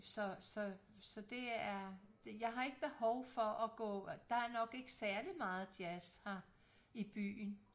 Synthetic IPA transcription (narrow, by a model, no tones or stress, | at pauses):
sɒ̽sɒ̽ | sɒ̽d̥e̝æɐd̥jɑ̈ɪɦɑ̈e̝ɡ̥əb̥e̝hɒʊfɒ̽ʔɒɡ̥ɔ̰̽ːd̥ɑ̈æɐnɒ̽ɡ̥e̝ɡ̥əsæɐlimɑ̈ːð̩ˠd̥jæshɑ | ib̥y̰ːn